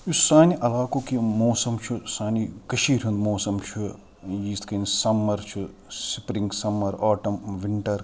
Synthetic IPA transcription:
jusaːniʔɐlaːkoːkimoːsɐmt͡ʃʰusaːnikɐʃiːɾʲɐnd̪moːsɐmt͡ʃʰu | jiːst̪ʰkɐnsɐmːɐɾt͡ʃʰusipɾiŋɡsɐmːɐɾoːʈɐmʋiɳʈɐɾ

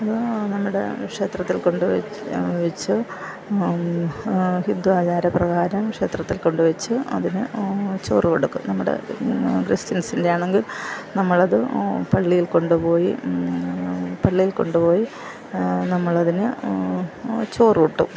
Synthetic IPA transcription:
ɐðɨnɐmːuɽe̞̰kʂe̞ːt̪rɐt̪ːilko̞ɳɖuʋ | ʋɐt͡ɕːɨ | hind̪uaːt͡ɕaːɾɐprɐɣaːɾɐmkʂe̞ːt̪rɐt̪ːilko̞ɳɖuʋɐt͡ɕːɨɐ̰ðinɨt͡ɕo̞̰ːrikoɽukːṵmnɐmːuɽḛkristinsinde̞jaːɳeŋɡilnɐmːɐɭɐðɨpɐɭːijilko̞ɳɖupo̞ːji | pɐɭːijilko̞̰ɳɖupo̞ːji | nɐmːɐɭɐðinɨ | t͡ɕo̞ːrikoʈːṵ

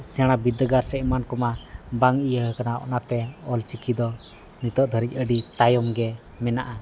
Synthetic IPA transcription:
sɛɽ̃abid̪əɡaɾsɛʔmankɔmabaŋijəɦəkanaɔ̰ʔnat̪ɛɔlt͡ʃikʰid̪ɔ | nit̪ɔʔd̪ʱəɾic̚ˀəɖit̪ajɔmɡɛ | mɛnaʔa

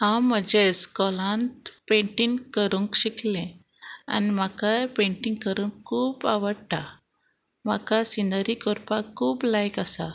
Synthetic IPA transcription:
hãwmːəd͡ʑeskɔlãnt̪pẽɳʈiŋɡkəɾuŋkɕiklẽ | a̰nim̤akajpẽɳʈiŋɡkəɾũŋkʰːuːpa̰ʋəɽʈa | m̤akasind̪əɾikɔɾpakʰːuːplajkasa̰

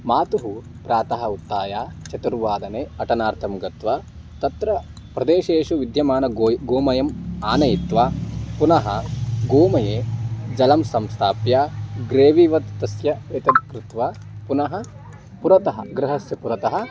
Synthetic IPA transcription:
maːt̪uɦu | pɾaːt̪ɐɦɐut̪ːaːjaːt͡ʃɐt̪uɾʋaːd̪ɐneːɐʈɐnaːɾt̪ʰɐmɡɐt̪ʋɐ | t̪ɐt̪ɾɐ | pɾɐd̪eːʃeːʃuʋid̪ʱjɐmaːnɐɡoːmɐjɐmaːnɐjit̪ʋaːpunɐɦɐɡoːmɐjeːd͡ʒɐlɐmsɐmst̪ʰaːpjaːɡɾeːʋiːʋɐt̪ːɐsjɐʋet̪ɐd̪kɾut̪ʋa | punɐɦɐ̆ | puɾɐt̪ɐɦɐɡɾɐɦɐsjɐpuɾɐt̪ɐɦɐ̆

